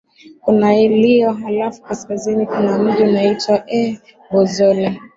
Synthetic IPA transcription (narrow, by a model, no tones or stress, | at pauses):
kunailiɔɦalafu̥kaskazinikunam̩ʄiunaitwaʔɛ | bɔzɔlɛ